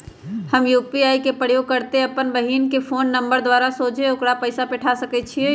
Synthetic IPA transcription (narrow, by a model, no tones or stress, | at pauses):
həmjuːpiaːikepɾəɽ̤joːɡ̚kəɾt̪eɐpənbəɦiːnkepʰoːnːə̃mbəɾd̪waːɾasoːt͡ʃeʊkɽapəɪsapɛʈʰasəkɛt͡ʃʰie